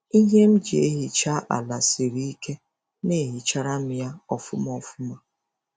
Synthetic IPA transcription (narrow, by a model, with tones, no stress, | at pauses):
i˦ɦe˦m̩˦d͡ʒi˨e˦ɦi˨t͡ʃa˦ʔa̰˨la˨si˨ɾi˦i˦ke˦ | ne˦˨ɦi˨t͡ʃa˦ɾa˦m̩˦ja˦ɔ˨fʊ˦mɔ˨fʊ˦ma˦